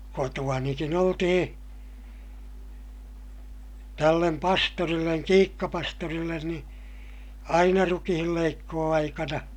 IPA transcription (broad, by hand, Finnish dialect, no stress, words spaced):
kotuɑnikin oltihĩː tælːem pɑstorilːeŋ kiːkːɑpɑstorilːen ni ɑinɑ rukihilːeikːoːɑikɑnɑ